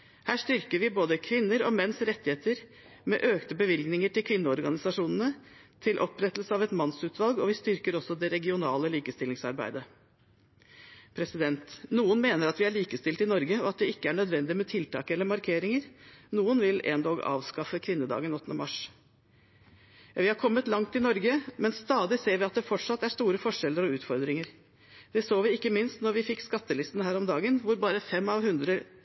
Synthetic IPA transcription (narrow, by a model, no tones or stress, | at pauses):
hæːʂt̪ʏɾkəɾʋɪboːd̪əkʰʋɪnːəɾɔmɛnsɾɛt̪ːɪheːt̪əɾ | mɛ̰ʔøːkt̪əbəʋɪlɡnɪŋəʈɪlkʰʋɪnːəɔɾɡɑnɪsɑʂuːnənə | t̪ʰɪlʔɔpɾɛt̪l̩səɑʋɛt̪mɑnsʉːt̪ʰʋɑlɡɔʋɪst̪ʏɾkəɾɔsːɔd̪ɛɾɛɡɪʊnɑːləliːkəst̪ɪlɪŋsɑ̰ɾbæ̰ɪd̪ə | pʰɾɛsɪd̪ɛnt̪nuːənmeːnəɾɑt̪ʋɪæɭiːkəst̪ɪlt̪ɪnɔɾɡəɔɑt̪̚d̪ɛɪkːəæɳœd̪ʋɛnd̪ɪmɛt̪ʰɪlt̪ʰɑ̰ːkəɛlːəɾmɑɾkʰeːɾɪŋəɾnuːənʋɪlḛːnd̪oːɡɑ̰ːʋskɑfəkʰʋɪnːəd̪ɑ̰ːɡənɔt̪ːənəmɑʂ | ʋɪhɑɾkʰɔmːət̪lɑŋt̪ɪnɔɾɡəmɛnst̪ɑːd̪ɪseːɾʋɪɑt̪̚d̪ɛfɔʈʂɑt̪ːæʂt̪uːɾəfɔʂɛlːəɾɔʉːt̪fɔɾd̪ɾɪŋəɾ | d̪̥ɛsoːʋɪɪkːəmɪnst̪nɔɾʋɪfɪkːskɑt̪ːəlɪst̪nəɦæːɾɔmd̪ɑːɡənʋʊɾbɑːɾəfɛmɑʋhʉnd̪ɾə